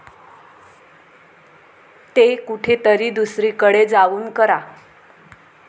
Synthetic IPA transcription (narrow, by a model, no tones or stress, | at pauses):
t̪ekuʈʰet̪əɾiːd̪usɾiːkəɽed͡zaʋuːnkəɾa